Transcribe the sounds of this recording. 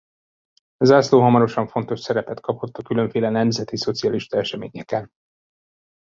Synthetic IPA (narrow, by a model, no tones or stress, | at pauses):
ɒzaːsloːɦɒmɒɾo̞ʃɒɱfo̞n̪t̪o̞ʃsɛɾɛpɛt̪kɒpo̞t̪ːɒkylø̞ɱfeːlɛnɛmzɛt̪iso̞t̪sijɒliʃt̪ɒɛʃɛmeːɲɛkɛn